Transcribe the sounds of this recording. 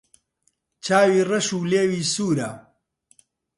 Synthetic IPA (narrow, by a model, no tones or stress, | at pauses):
t͡ʃʰaːwiːrɐʃuːleːwiːsuːɾaː